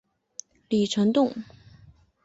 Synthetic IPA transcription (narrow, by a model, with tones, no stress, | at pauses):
li˨˩ʈ͡ʂʰə˧˥ŋt̪ʊ˥˩ŋ